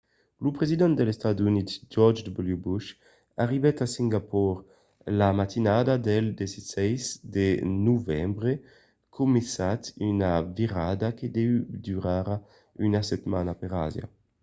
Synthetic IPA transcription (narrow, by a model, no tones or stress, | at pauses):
lupɾezid̪ɛnd̪elest̪ad̪unit̪d͡ʒɔɾd͡ʒd̪buljubuʃ | aʁivɛt̪asiŋɡapɔɾ | lamat̪inad̪ad̪eld̪esisɛjzd̪enuvɛmbɾe | kʰumesat̪ynaviɾad̪aked̪ɛyd̪yɾaɾa | ynaset̪manapeɾa̰zja̰